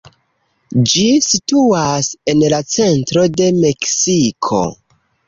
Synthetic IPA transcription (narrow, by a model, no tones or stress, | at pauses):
d͡ʒisituase̞nlat͡se̞ntɾo̞de̞me̞ksikʰo̞̰